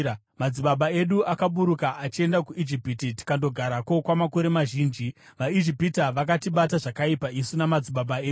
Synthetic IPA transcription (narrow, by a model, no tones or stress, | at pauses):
mad͡ziɓaɓae̞ɗuʔakaɓuɾukaʔat͡ʃie̞ndakuʔid͡ʒipititi̥kando̞ɡʱaɾako̞kwamako̞ɾe̞maʒiːnd͡ʒi | ʋaid͡ʒipitaʋakatiɓataʐakaipaisunamad͡ziɓaɓaeːu